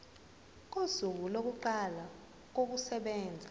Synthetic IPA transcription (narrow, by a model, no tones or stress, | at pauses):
k̬ozuk̬ulok̬uǃala | k̬ok̬usɛɓɛːnd͡zʱa